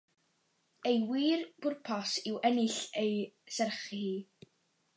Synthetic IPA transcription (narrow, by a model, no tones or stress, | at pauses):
ejwiːrb̥ʊrpʰɔsɪwʔɛnɪɬejsɛrχihiː